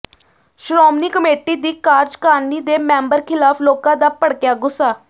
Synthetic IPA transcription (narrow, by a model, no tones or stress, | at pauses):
ʃɾoːmniːkəmeːʈiːd̪iːkaːɾd͡ʒkaːniːd̪eːmɛ̃ːmbəɾkʰɪlaːpʰloːkãːd̪aːpəɽkɪjaːɡʊsːaː